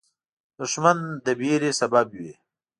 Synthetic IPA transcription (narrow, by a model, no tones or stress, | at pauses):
d̪ʊʂmand̪əbiɾesababwe